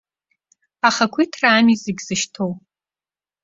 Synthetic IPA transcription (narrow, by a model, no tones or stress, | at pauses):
aχakʷʰitʰraːmizeɡʲz̥ɨʃtʰow